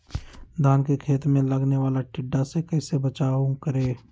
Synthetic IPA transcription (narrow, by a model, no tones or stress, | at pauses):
d̪ʱaːnkekʰeːt̪mẽlɐɡneʋaːlaʈɪɖːasekɐːsebət͡ʃaːũkəɾeː